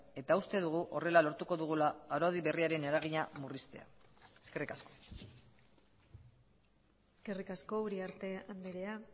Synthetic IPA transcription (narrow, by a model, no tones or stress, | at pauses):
e̞t̪aust̪e̞ðuɣ̞uʔo̞̰re̞lalo̞ɾt̪uko̞ðuɣ̞ulaːɾo̞ðiβe̞riaɾe̞neɾaɣ̞iɲamurist̪e̞̰a̰eske̞rikasko̞̥ | eske̞rikasko̞uɾiaɾt̪e̞ambeɾe̞a